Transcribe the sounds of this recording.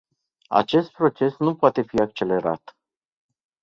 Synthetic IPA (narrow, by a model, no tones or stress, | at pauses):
a̰t͡ʃe̞st̪̚pɾo̞t͡ʃe̞snupoat̪e̞fiak̚t͡ʃe̞le̞ɾa̰t̪